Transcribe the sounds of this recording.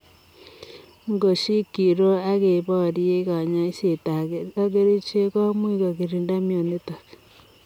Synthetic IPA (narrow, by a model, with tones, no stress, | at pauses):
ŋɡo˨ʃi˦ki˨ɾo˦a˦ɣe˨βɔ˦ɾje˦ka˨ɲa˦i˦se˨ta˨a˦ke˦ɾi˦t͡ʃe˦kɔ˦mwi˦ko˨ki˨ɾi˨nda˦mjo˨ne˦ta˨k